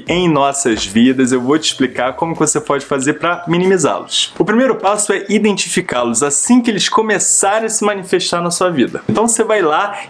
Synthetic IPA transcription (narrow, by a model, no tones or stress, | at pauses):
ẽj̃nɔsɐzvid̪ɐzewvowt͡ʃɪ̥splikaɾkõmʊkɪvosepɔd͡ʒɪfazeɾpɾɐminimiza̰lʊsʊpɾimejɾʊpasʊɛʔid̪ẽnt͡ʃifikalʊzasĩkɪelɪskomesaɾẽɐsɪmɐ̃nifeʃt̪aɾnɐsuɐvid̪ɐ̃nt̪ɐ̃w̃sevajla